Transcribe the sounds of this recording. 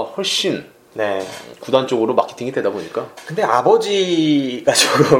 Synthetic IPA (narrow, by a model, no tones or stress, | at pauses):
ɸwʌɭɕ͈in | ne̞kudant͡ɕ͈oɡɯɾoma̰kʰetʰiŋidwe̞daboɲik͈akɯnde̞abʌd͡ʑiɡad͡ʑʌɯ